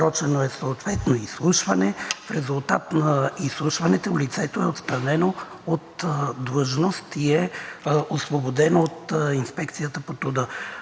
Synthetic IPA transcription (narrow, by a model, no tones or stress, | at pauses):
ɾɔt͡ʃɛnoɛsoːt̪vɛt̪noislˠuʃvɐnɛfɾɛzulˠt̪at̪nɐislˠuʃvɐnɛt̪oulit̪sɛt̪oɛot̪st̪ɾɐnɛno | ot̪d̪ləʒnost̪iɛosvobod̪ɛnoot̪inspɛkt̪sijət̪əpot̪ɾud̪ə